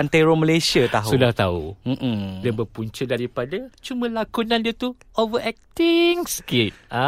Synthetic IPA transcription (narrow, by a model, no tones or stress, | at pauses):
ant̪eɾoməlajsiat̪aɦsudaht̪aṵm̩ʔm̩diabəpuɲt͡ʃudaɾipadat͡ʃumə̃lakunãndiat̪u | ʔovəʔɛk̚t̪iŋsə̥kit̪̚a